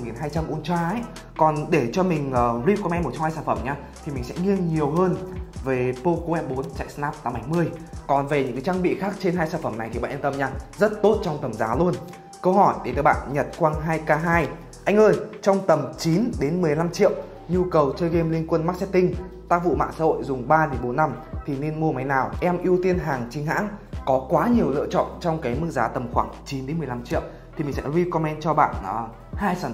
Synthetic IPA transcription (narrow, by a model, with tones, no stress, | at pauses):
ŋi˨˩nɦaː˧jt͡ɕa˧mʔu˧˩ənt͡ɕwaː˧˩ɛ˦˥ | kɔ˨˩nɗe˧˩t͡ɕɔ˧mï˨˩ŋ̟ʔəː˨˩ɾi˧˦˥p̚kɔ˧mʔɛ˧m˨˩t̚t͡ɕɔ˧ŋ͡mhaː˧jsaː˧˩fə˧˩mɲaː˧ | t̪ʰi˨˩mï˨˩ŋsɛ̰˧˥ŋi˧əŋɲi˨˩əwɦəː˧nve˨˩po˧ko˧ʔɛ˦˥p̚ɓo˨˦nt͡ɕa̰ː˧˨jsnaː˦˥p̚t̪aː˧˦ma˨˦jmɨ˧əjkɔ˨˩nve˨˩ɲɨ̰˧˥kaː˨˦t͡ɕaː˧ŋɓḭ˧˨xaː˦˥k̚t͡ɕe˧nɦaː˧jsaː˧˩nfə˧˩mna˨˩jt̪i˨˩ɓ̰aː˧˨ʔə˧t̪ə˧mɲaː˧zə˦˥t̚t̪o˦˥t̚t͡ɕɔ˧wŋ͡mt̪ə˨˩mzaː˨˦lu˧ən | kə˧whɔ˧˩jɗe˧˨˩nt̪ɨ̰ː˧˩ɓa̰ː˧˨nɲə˨˩t̚kwaː˧nɦaː˧jkaː˧ɦaː˧j | ʔa˧jŋ̟ʔəː˧jt͡ɕɔ˧wŋ͡mt̪ə˨˩mt͡ɕi˨˦nɗe˨˦nmɨ˨˩əjla˧mt͡ɕḭ˧˨əw | ɲu˧kə˨˩wt͡ɕəː˧jɣe˧mli˧ŋkwə˧nma˦˥t̚sɛ˦˥t̚t̪ï˧ŋ̟t̪a˦˥k̚vṵ˧˨ma̰ː˧˨ŋsa̰ː˧˥ho̰˧˨jzʊ˨˩ŋ͡mɓaː˧ɗe˨˦nɓo˨˦nːa˧mt̪ʰi˨˩ne˧nmu˧əma˨˦jnaː˨˩wʔɛ˧mʔi˧əwt̪i˧ənɦaː˨˩ŋt͡ɕï˨˦ŋ̟ɦa̰ː˧˥ŋkɔ˨˦kwaː˨˦ɲi˨˩əwlɨ̰˧ət͡ɕɔ̰˧˨nt͡ɕɔ˧wŋ͡mkaː˨˦jmɨ˦əzaː˨˦t̪ə˨˩mxwaː˧˩ŋt͡ɕi˨˦nɗe˨˦nmɨ˨˩jla˧mt͡ɕḭ˧˨əw | t̪ʰi˨˩mï˨˩ŋsɛ̰˧˥zi˧kɔ˧mɛ˧nt͡ɕɔ˧ɓa̰ː˧˨nʔəː˨˩ | haː˧jsaː˧˩